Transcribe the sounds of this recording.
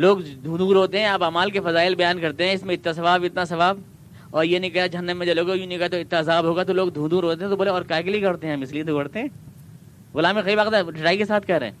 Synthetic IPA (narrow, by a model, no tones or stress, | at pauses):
loːɡd̪ʱũːd̪ũɾoːt̪eɦɛ̃aːpaːmaːlkefɐzaːɪlbɐjaːnkɐɾt̪eɦɛ̃ɪsmẽɪt̪nasɐʋaːbɪt̪nasɐʋaːb | ɔːɾjenɐĩkɐjad͡ʒɐɦənːəmːẽd͡ʒɐloːɡajũnĩkɐat̪oɪt̪naːzaːbɦoːɡat̪̬oloːɡ̚d̪ʱũːd̪uːɾoːt̪eɦɛ̃t̪oboːleɔːɾkaːkeliiɡɐɽt̪eɦɛ̃mɪsliẽd̪oɡɐɽt̪eɦɛ̃ː | ɣʊlaːmixɐibaːkd̪aɖɪʈaːikesaːt̪̚ʰkɐɾɛ̰̃ː